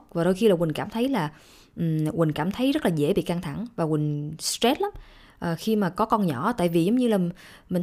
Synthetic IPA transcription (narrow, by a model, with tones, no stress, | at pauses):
vaː˨˩ɗo˧jxi˧laː˨˩wï˨˩ŋ̟kaː˧˩mt̪ʰə˨˦jlaː˨˩ | ʔ̩˨˩wï˨˩ŋ̟kaː˧˩mt̪ʰə˨˦jzə˦˥t̚laː˨˩zḛ˧˥˩ɓḭ˧˨ka˧ŋt̪ʰa̰˧˩ŋvaː˨˩wï˨˩ŋ̟stɛ˦˥t̚la˨˦m | ʔəː˨˩xi˧maː˨˩kɔ˨˦kɔ˧nɲɔ̰˧˩t̪a̰ː˧˨jvi˨˩zə˨˦wŋ͡mɲɨ˧laː˨˩ | mï˨˩ŋ̟